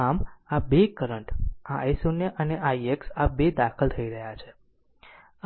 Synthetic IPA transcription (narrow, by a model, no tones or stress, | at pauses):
amabekəɾəɳʈaesoneʔəneʔaieksabed̪akʰəlt̪ʰəiɾəɦjat͡ʃʰe